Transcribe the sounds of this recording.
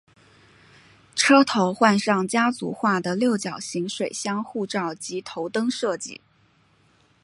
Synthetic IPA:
ʈ͡ʂʰɤ˥t̪ʰo˧˥ʊxwa˥˧nʂɑ˥˩ŋt͡ɕja˥t͡sṵ˧˥xwa˥˩d̪ə˩ljo˥˩ʊt͡ɕjɑ˨˩ʊɕi˧˥ŋʂwe˨˩ɪɕjɑ˥ŋxu˥˧ʈ͡ʂɑ˥˩ʊt͡ɕi˧˥t̪ʰo˧˥ʊt̪ɤ˥ŋʂɤ˥˧t͡ɕḭ˥˩

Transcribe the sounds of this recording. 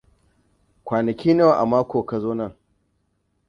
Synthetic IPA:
kʷaː˨nɐ˨kʲiː˦ne˦wa˨ʔa̰˨maː˦kʷoː˨ka˨zoː˦nɐ˦˨ŋ

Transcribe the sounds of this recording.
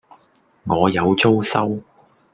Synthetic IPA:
ŋɔː˨˧jɐ˨˧wt͡so˥wsɐ˥w

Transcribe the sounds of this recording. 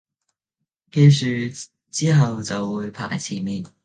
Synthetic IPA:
ke˧jsyː˨ | t͡siː˥ɦɐ˨wt͡sɐ˨wːuː˨˧jpʰa̰ː˨˩jt͡sʰiː˨˩miː˨n

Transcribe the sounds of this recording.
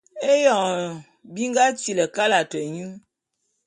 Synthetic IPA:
e˦jɔ˨ŋ | bi˦ŋ˦ɡa˦t͡si˨lə˨ka˦la˨tə˨ɲu˦

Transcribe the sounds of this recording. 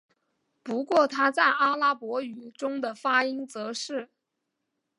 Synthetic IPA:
pu˧˥kwɔ˥˩t̪ʰa˥t͡sa˥˩ɪʔa˥la˥pwɔ˧˥y˨˩ʈ͡ʂʊ˥ŋd̪ə˨fa˥i˥ŋt͡sɤ˧˥ʂɻ̩˥˩

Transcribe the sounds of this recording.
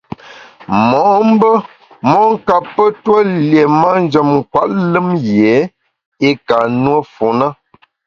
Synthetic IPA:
mɔ˨˦m̩˦bə˦ | mɔ˦ŋ˦ka˨pːə˦twə˦lje˨ma˦n˦d͡ʒə˨mŋ̩˨kwa˦ʔ̚lɨ˦mje˨˦ | e˦ka˨nwə˦fu˨nə˦

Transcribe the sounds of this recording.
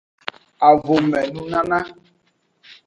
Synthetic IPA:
a˨vʊ˨mɛ˨nũ˦na˦na˦

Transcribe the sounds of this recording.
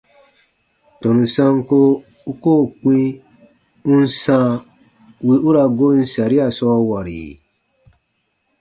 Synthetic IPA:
tɔ̃˨nũ˨sã˦ŋ˦ko˦ | u˦koː˦˨k͡pĩ˦ | ũ˦n˦sã˦ | wi˦u˦ɾa˧ɡo˦n̩˦sa˨ɾi˦a˨sɔ˦wa˨ɾḭ˨

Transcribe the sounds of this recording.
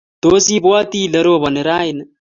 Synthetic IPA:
d̪̥o˦si˦bo˦a˦t̪i˦lɐ˦ɾo˦βɔ˨nɪ˨ɾa˦ɪn

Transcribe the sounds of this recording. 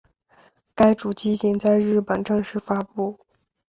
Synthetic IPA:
ka˥ɪʈ͡ʂu˨˩t͡ɕi˥t͡ɕi˧˥ŋt͡sa˥˧ɪɻɻ̩˥˩pə˨˩nʈ͡ʂɤ˥˧ŋʂɻ̩˥˩fa˥pu˥˩

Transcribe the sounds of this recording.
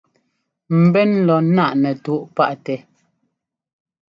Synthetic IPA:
m̩˨bɛ˦nlɔ˨˦na˦˨ʔnɛ˨tu˨˦ʔpa˦ʔtɛ˨

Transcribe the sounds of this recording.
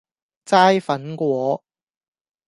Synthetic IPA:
t͡saː˥jfɐ˨˥nkʷɔː˨˥

